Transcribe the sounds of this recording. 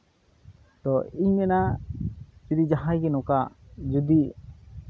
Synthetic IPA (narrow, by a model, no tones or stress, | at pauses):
d̪̥ɔiɲmɛna | t͡ʃuɾid͡ʒaɦãjɡɛnɔkaʔd͡ʒud̪iʔ